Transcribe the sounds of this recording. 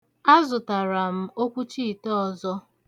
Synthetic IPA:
a˦zʊ˨ta˨ɾa˨m̩˦o˦kʷu˦t͡ʃi˦˨tɔ˦ɔ˨zɔ˦

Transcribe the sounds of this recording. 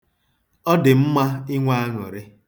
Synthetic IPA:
ɔ˦dɪ˨m̩˦ma˦ɪ˦ŋʷa˦a˦ŋɔ̰˨ɾɪ˦

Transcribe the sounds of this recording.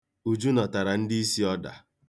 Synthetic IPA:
u˨d͡ʒu˦nɔ˨ta˨ɾa˨n̩˦di˦i˦si˦ɔ˦da̰˨

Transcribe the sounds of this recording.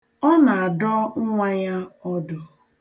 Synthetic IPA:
ɔ˦na˨a˨dɔ˦ŋ̩˦ŋʷa˦ja˦ɔ˦dʊ˨

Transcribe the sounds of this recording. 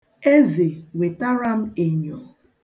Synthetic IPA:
e˦ze˨we˨ta˦ɾa˦m̩˦e˨ɲɔ˨

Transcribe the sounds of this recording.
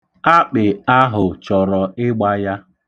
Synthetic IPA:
a˦k͡pɪ˨a˦ɦʊ˨t͡ʃɔ˨ɾɔ˨ɪ˦ɡ͡ba˦ja˦

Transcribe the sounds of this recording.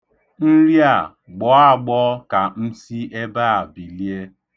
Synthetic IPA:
n̩˦ɾi˦a˨ | ɡ͡bɔ˨˦a˦˨ɡ͡bɔ˦ka˨n̩˦si˦e˦ba˦a˨bi˨li˦e˦

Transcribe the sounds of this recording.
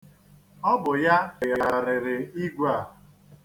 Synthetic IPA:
ɔ˦bʊ˨ja˦ɪ˨ja˨aa˨ɾɪ˨ɾɪ˨i˦ɡʷa˦˨

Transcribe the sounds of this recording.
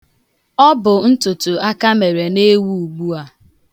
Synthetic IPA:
ɔ˦bʊ˨n̩˦tʊ˨tʊ˨a˦ka˦me˨ɾe˨ne˦wu˦u˨ɡ͡bu˦a˦

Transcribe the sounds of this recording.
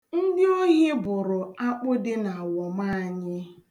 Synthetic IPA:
n̩˦dɪ˦o˦ɲe˦bʊ˨ɾʊ˨a˦k͡pʊ˦dɪ˦na˨a˨wɔ˨ma˦a˨ɲɪ˦

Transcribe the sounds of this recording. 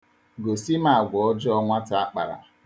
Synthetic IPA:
ɡo˨si˦ma˨a˨ɡʷɔ˨ɔ˦d͡ʒɔ˦ɔ˦ŋʷa˦ta˦˨a˦k͡pa̰˨ɾa̰˨

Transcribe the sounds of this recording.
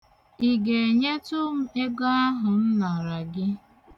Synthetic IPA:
i˨ɡe˨e˨ɲe˦tʊ˦m̩˦e˦ɡa˦a˦ɦʊ˨n̩˦na˨ɾa˨ɡɪ˦

